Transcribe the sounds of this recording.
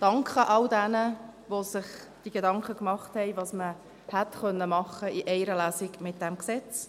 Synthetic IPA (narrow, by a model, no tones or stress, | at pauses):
d̥ɑŋkʰχəʔɑldɛnəʋosɪχd̥iɡedɑŋkχəkmɑχthɛɪʋɑːsmə | hɛtχœnːəmɑχəiʔɛɪɾəlæːsɪkmɪt̚d̥ɛmksɛt͡s